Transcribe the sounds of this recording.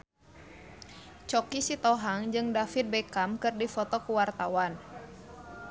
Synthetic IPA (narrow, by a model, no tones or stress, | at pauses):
t͡ʃɔkisit̪ɔɦaŋd͡ʒɨŋdafit̪̚bɛkamkɨrdifɔt̪ɔkuwart̪awan